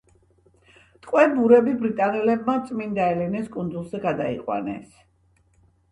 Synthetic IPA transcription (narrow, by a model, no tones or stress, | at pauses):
t̪ʼqʼwɛbuɾɛbibɾit̪ʼanɛlɛbmat̪sʼmind̪aɛlɛnɛskʼund̪zulˠzɛɡad̪aḭqʼwa̰nɛ̰s